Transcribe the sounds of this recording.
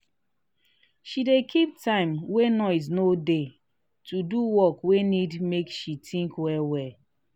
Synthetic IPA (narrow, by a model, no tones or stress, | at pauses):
ʃidekʰip̚tʰãɪ̃mwenɔɪz̬node | tʰuduwɔkwenidmekʃitʰĩŋkwɛlwɛl